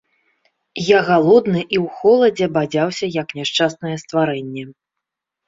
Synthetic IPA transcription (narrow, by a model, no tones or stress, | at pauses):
jaɣalˠɔd̪nɨʔiwxɔlˠɐd͡zʲɛbad͡zʲawsʲɐjɐknʲɛʂt͡ʂasnɐjɛst̪vaɾɛnʲːɛ